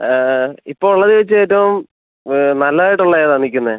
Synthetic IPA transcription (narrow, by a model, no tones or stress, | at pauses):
ipːoːuɭːɐðɨʋet͡ɕːɨeːtːɐʋum | nɐlːaːjiʈːuɭːɐjðaːnːikʲːunːɨ